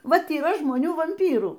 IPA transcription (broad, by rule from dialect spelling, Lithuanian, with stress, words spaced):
ˈʋɐt iːˈrɐ ʒmoːˈnʲuː ʋɐmʲˈpʲiːruː